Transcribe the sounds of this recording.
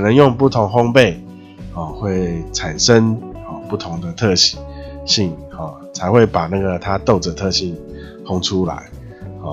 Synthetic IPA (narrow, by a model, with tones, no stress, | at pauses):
nə˧˦ŋjɔ˥˧ŋpu˥˩t̪ʰʊ˧˦ŋɦɔ˥ŋpe˥˨ɪ | hɔ˨xwe˥˩ɪt͡sʰa˨˩nʂə˦ŋhɔ˨˩pu˥˩t̪ʰʊ˨˦ŋd̪ə˨t̪ʰɤ˥˧ɕi̥˨˩˦ɕi˥˨ŋhɔ˨˩ | t͡sʰa˧ɪxwe˥˩ɪpa˨˩na˥˩ɡə˩t̪ʰa˦t̪o˥˨ʊd͡zə˨t̪ʰɤ˥˧ɕi˥˩ŋ | hɔ˥ŋʈ͡ʂʰu˦la̰˨˦ɪ | hɔ˨